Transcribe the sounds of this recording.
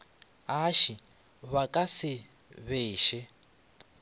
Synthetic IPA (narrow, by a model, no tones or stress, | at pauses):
aʃi | βakʼasɪ | βeːʃɛ